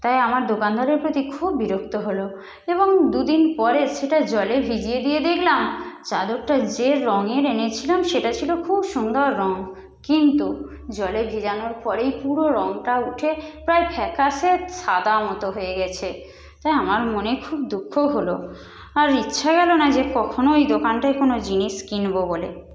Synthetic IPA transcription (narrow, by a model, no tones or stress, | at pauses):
t̪ajamaɾd̪okand̪ʱaɾeɾpɾot̪ikʰubːiɾokt̪oɦolo | eβoŋd̪ud̪inpɔɾeʃeʈad͡ʑɔlebʱid͡ʑied̪ied̪ekʰlamt͡ɕad̪oɾʈad͡ʑeɾɔŋeɾenet͡ɕʰilamʃeʈat͡ɕʰilokʰubʃund̪ɔɾːɔŋ | kint̪u | d͡ʑɔlebʱid͡ʑanoɾpɔɾejpuɾoɾɔŋʈauʈʰepɾaepʰɛkaʃeʃʰad̪amɔt̪oɦoeɡɛt͡ɕʰe | t̪ajamaɾmonekʰubd̪ukʰːoɦolo | aɾitːɕʰaɡɛlonad͡ʑekɔkʰonoejd̪okanʈaekonod͡ʑiniʃkinbobole